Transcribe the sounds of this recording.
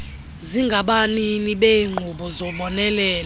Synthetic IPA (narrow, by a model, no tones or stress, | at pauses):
ziŋɡʱaɓaniniɓeŋ͡ǃʱuɓɔzɔɓɔnɛlɛːl